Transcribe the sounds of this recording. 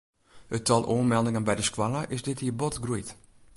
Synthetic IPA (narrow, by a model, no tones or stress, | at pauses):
ətʰɔlˠʔoːnmɛlˠdɪŋənbɛjdəskwaləʔɪsdɪthiːəbɔtɡrujt